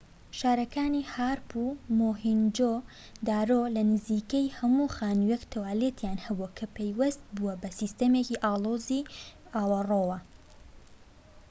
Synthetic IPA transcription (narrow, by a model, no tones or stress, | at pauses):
ʃaːɾɐkaːnihaːɾpumoːɦind͡ʒo | d̪aːɾoːlɐnɨziːkejhɐmuxaːnujekt̪ʰɐwaːlet̪ʰjaːnhɐbuɐkʰɐpʰejwɐst̪̚buɐbɐsist̪ɐmeːciʔaːlˠoːzi | ʔaːwɐroːwɐ